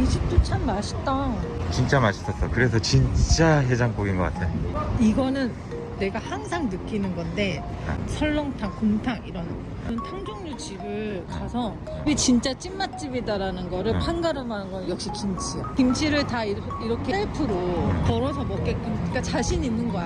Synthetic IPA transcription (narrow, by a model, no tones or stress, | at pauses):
iɕʰip̚t͈ot͡ɕʰamːaɕʰi̥t͈ʌt͡ɕint͡ɕ͈amaɕʰi̥sʰʌs͈ʌkɯɾe̞s̬ʰʌt͡ɕint͡ɕ͈aɦe̞d͡ʑaŋk͈oɡinɡʌk͈atʰejoiɡʌnɯnː | e̞ɡahaŋsʰaŋnɯk͈inɯnɡʌnde̞sʰʌɭːʌŋtʰaŋkoŋtʰaŋiɾʌn | ntʰaŋd͡ʑoŋɲud͡ʑibɯɭkasʰʌ | wit͡ɕint͡ɕ͈at͡ɕ͈imːat̚t͡ɕ͈ibidaɾanɯnɡʌɾɯɭpʰanɡaɾɯmanɯnɡʌjʌk̚ɕ͈ikimt͡ɕʰikimt͡ɕʰiɾɯɭtai | iɾʌkʰeeɭpʰɯɾopʌɾʌs̬ʰʌmʌk̚k͈et̚k͈ʌnʌɲik͈at͡ɕaɕʰiɲinːɯnɡʌ